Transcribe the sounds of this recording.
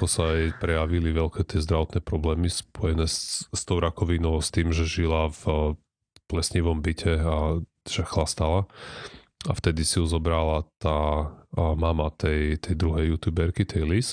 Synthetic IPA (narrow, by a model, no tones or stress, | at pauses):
kɔsaɛjpɾɛjaʋiliʋɛlkɛt̪ɪɛzd̪ɾaʋɔt̪nɛːpɾɔblɛːmispɔjɛnɛːsst̪ɔʊɾakɔʋinɔʊst̪iːmʒɛʒilaf | plɛsɲiʋɔmbicʰɛa | ʒ̥ɛxlast̪ala | aft̪ɛd̪isiuzɔbɾalat̪aː | mamat̪ɛjt̪ʰɛjd̪ɾuɦɛjːut̪juːbɛɾkit̪ʰɛjlis